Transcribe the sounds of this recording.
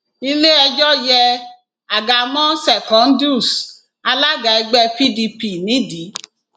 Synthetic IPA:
i˧le˦ɛ˧d͡ʒɔ˦jɛ˧ | a˨ɡa˨mɔ̃˦sɛ˨kɔ̃˨˦n̩˦du˦˨s | a˧la˦ɡa˨i˧ɡ͡bɛ˧pi˦di˧pi˦˨nĩ˨˦di˨˦

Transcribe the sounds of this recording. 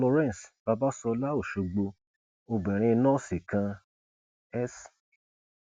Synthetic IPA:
lɔ˧ɾɛ̃˦˨n˨sba˧ba˦sɔ˧la˦o˦˨ʃo˨˧ɡ͡bo˧ | o˧ɡ͡bɛ̃˨ɾ̃ĩ˧nɔ̃ː˦˨si˨kã˧ | ɛ˦s

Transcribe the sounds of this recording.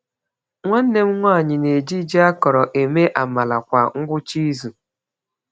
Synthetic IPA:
ŋʷa˦n̩˦ne˦m̩˦ŋʷa˦˨ɲɪ˨ne˨d͡ʒi˦d͡ʒi˦a˦kɔ˨ɾɔ˨ʔe˨me˦ʔa˨ma˨la˨kʷa˨ŋ̩˦ɡʷʊ˦t͡ʃi˦zu˨

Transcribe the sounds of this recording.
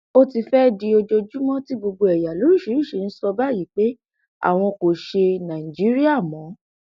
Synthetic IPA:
o˦ti˧fɛ˦di˧o˧d͡ʒo˧d͡ʒu˦mɔ̃˦ti˦ɡ͡bo˧ɡ͡bo˧ɛ˨ja˨lo˨˦ɾu˦˨ʃi˨˦ɾi˦˨ʃe˨˦n̩˦sɔ˧ba˦˨ji˨˦k͡pe˦ | a̰˦˨w̃ɔ̃˧ko˨ʃe˧nã˨ĩ˨d͡ʒi˨˦ɾi˦a˦˨mɔ̃˨˦

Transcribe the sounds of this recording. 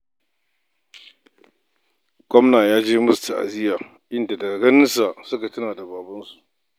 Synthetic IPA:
ɡ̥ɔ˦mnaː˨jaː˦d͡ʒeː˦mʊ˦sta˨ʔa̰˨zɪ˦jaː˨ | ʔɪ˦nda˨dɐ˨ɡa˨ɡɐ˦nɪ˦nsa˨sʊ˦ka˨tʊ˦naː˨da˨baː˨bɐ˦nsu˨ʔ

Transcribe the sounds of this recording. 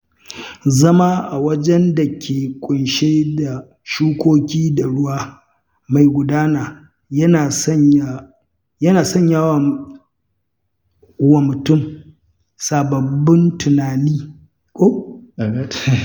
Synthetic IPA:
zɐ˦maː˦ʔa˨wɐ˦d͡ʒɛ˦nda˨kʲʰeː˨kʷʼʊ˨nʃeː˦da˨ | ʃuː˦kʷoː˦kʲiː˦da˨ɽʊ˦waː˦ | ma˨jɡʷʊ˨daː˦naː˨ | jɐ˦na˨sɲa˦˨ | jɐ˦naː˨sɔ˦ɲja˦wa˨˦ | wa˨mʊ˨tʊ˦˨m | saː˨bɐ˨bːɪ˦ntʊ˨naː˨niː˦ | kʷʼo˦˨˦

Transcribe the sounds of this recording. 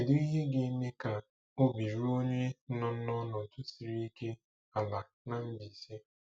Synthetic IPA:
e˨du˦i˦ɦe˦ɡe˦ne˦ka˨ | o˦bi˨ɾu˦o˦ɲe˦nɔ˦n̩˦nɔ˦nɔ˨tʊ˦si˨ɾi˦i˦ke˦ | a˨la˨ | na˨m̩˦bi˨se˦

